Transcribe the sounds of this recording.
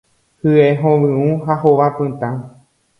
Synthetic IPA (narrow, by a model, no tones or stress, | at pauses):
hɨeɦõʋɨ̃ũɦahoʋapɨ̃t̪ã